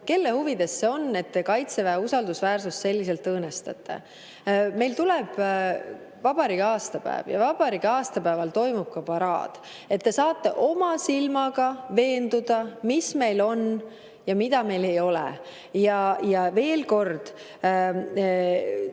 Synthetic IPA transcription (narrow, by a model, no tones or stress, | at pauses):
ke̞lːe̞huvid̪̥e̞sːeo̞nːe̞t̪ːekɑjt̪se̞væusɑld̪̥usvæːrsust̪se̞lʲːise̞lt̪ːɤːne̞st̪ɑ̰t̪ˑːe̞̰ | me̞jlt̪ulɛb̥ | vɑb̥ɑɾiɡɑːst̪ɑpæ̰ḛvjɑ̰vɑb̥ɑɾiɡɑːst̪ɑpæevɑlt̪o̞jmub̥̚kɑpɑɾɑ̰ːd̪̥ | e̞t̪ːe̞sɑːt̪ːˑe̞ʔo̞mɑsilmɑɡ̥ɑve̞ːnd̪ud̪̥ɑmisme̞jlo̞n | jɑmid̪̥ɑme̞jle̞jo̞lɛ̰ | jɑjɑve̞ːlko̞rd̪̥